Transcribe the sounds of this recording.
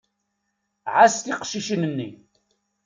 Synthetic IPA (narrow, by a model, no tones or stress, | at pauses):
ʕast̪iqʃiʃənənːi